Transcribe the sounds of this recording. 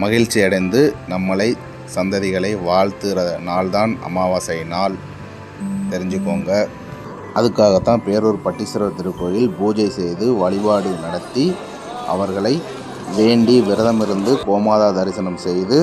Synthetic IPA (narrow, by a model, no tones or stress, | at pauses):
mɐɣɪɻt͡ʃːiɐɽɐɪnd̪ɯnɐmːɐɭɐɪ | sɐnd̪ɐðɪɣɐɭɐɪʋaːɭt̪ɯɾɐnaːlðaːnɐ̰maːʋaːsɐɪnaːl | t̪ɛɾɪɲd͡ʒɯkːoːŋɡɐ | ʔɐðɯkːaːɣɐt̪ːãːpeːɾoɾɯpɐʈːɪsɪɾɐt̪ɪɾɯkːoːjɪlbuːd͡ʒɐɪsɛjðɯʋɐɭɪbaːɽɯnɐɽɐt̪ːi | ʔɐ̰ʋɐɾɣɐɭɐɪ | ʋeːɳɖiʋɪɾɐðɐmɪɾɯnd̪ɯkoːmaːðaːd̪ɐɾɪsɐnɐmsɛjðɯ